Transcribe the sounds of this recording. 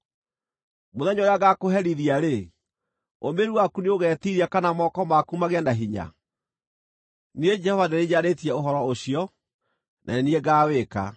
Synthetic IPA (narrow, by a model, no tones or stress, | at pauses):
moðɛɲɔjaɣakoɦɛɾiðiaɾe | omeɾuwakuneoɣɛːtiɾiakanamɔkɔmakumaɣeanaɦiɲa̰ | nied͡ʒɛhɔvaneɾeɲaɾetiɛoɦɔɾɔoɕiɔ | nʔa̰enieɡaːweka̰